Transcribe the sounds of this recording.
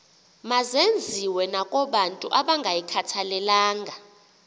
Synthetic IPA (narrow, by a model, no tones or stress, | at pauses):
mazend͡zʱiwɛnakʼɔɓantʼuʔaɓaŋɡʱajikʰatʰalɛlaːŋɡʱa